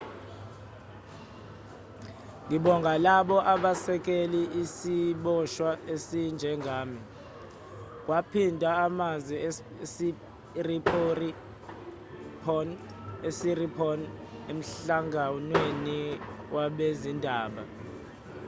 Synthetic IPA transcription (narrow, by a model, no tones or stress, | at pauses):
ŋiɓɔŋɡʱalaɓɔʔaɓasɛk̬ʼeliʔisiɓɔʃwaesind͡ʒʱɛŋʱaːmi | k̬wapʰindʱaamazwi | si | ripːri | pʰɔn | esiripʰɔnem̩ɬaŋanweniwʔaɓezindʱaːɓa